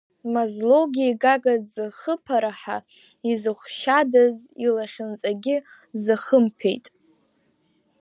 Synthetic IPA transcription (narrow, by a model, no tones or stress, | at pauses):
mazlowɡʲiiɡaɡadzɨχəpʰaɾaħa̰ | izɨχʷʃadazilaχʲɪnt͡sʼaɡʲɪ | zɨχəmpʰḛjtʼ